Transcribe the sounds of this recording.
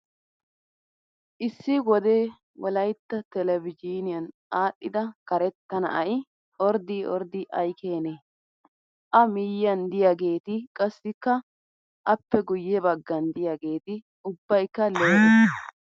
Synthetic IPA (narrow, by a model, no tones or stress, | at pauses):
ʔɪsːɪwɔd̪eː | wɔlɐjt̪ːɐt̪ɛlɛvɪd͡ʒiːnɪjɐn | aːɗːɪd̪ɐkɐɾɛt̪ːɐnɐ̰ʔɐj | ɔɾd̪iɔ̰ɾd̪ɪʔɐjkʰeːne | ʔɐmɪːjːɐnd̪ɪjaɡe̞ːt̪ɪkʼɐsːɪkːɐ | ʔɐpːɛɡʊjːɛbɐɡːɐnd̪ɪjaɡe̞ːt̪ɪ | ʊbːɐjkːɐloːɪ